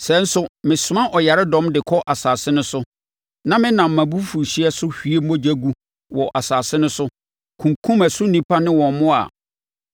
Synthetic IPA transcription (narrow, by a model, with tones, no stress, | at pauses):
sɛ˨˦n̩˦sʊ˦mɪ̃˨sʊ˨˦mã˦ʔɔ˨ja˨ɾɪ˦dɔ̃˦mdɪ˨kʰɔ˦ʔa˨saː˨sɪ˦nʊ̃˦sʊ˦ | nã˦mɪ̃˦nã˨m̩ː˨ã˨bu˦fu˨ɾɕi˦ɛ˦sʊ˦hi˨˦e˦m̩˦ɔ̃˦d͡ʑæ˦ɡu˦ | wɔ˨ʔa˨saː˨sɪ˦nʊ̃˦sʊ˦ | kʰũ˨ŋkʰũ˦mæ˨sʊ˦nĩ˦pʰa˦nɪ̃˦wɔ̃˨n˨mʊ̃˦a̰˨